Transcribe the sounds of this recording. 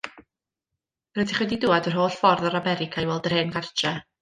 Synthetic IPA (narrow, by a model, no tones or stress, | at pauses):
rɛtiχwɛdidʊadər̥ɦoːɬfɔrðɔɾamɛɾɪkʰajwɛlˠdərheːnɡartɛ